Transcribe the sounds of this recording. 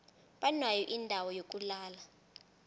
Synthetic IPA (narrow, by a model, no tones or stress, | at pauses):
ɓanwajɔʔindʱawɔjok̬ʼulaːla